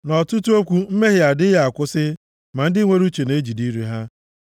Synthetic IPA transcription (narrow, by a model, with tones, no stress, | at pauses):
nɔ˨tu˦tu˦o˦kʷu˦m̩˦me˦ɦɪ˦a˨dɪ˦ja˦˨a˨kʷʊ˦sɪ˦ | ma˨n̩˦dɪ˦ŋʷe˦ɾu˦t͡ʃe˨ne˦d͡ʒi˨di˦ɾi˨ɦa˦